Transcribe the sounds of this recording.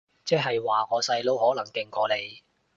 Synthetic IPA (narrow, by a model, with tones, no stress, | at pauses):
t͡sɛː˥ɦɐ˨jwaː˨ŋɔː˨˧sɐ˧jlo˥whɔː˨˥lɐ˨˩ŋkɪ˨ŋkɔː˨˧˥le˨˧j